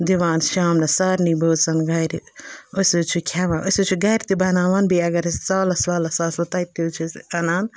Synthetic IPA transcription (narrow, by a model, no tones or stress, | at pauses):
d̪iʋaːnʃaːmnɐsaːɾniboːsɐnɡɐjɾiosut͡ʃʰikʰaːʋãːnʔosut͡ʃʰiɡɐjɾt̪ibɐnaːʋaːnbʱiɐɡɐɾst͡saːlɐsʋaːlɐsaːsɐt̪ait̪ːit͡ʃʰiɐnaːn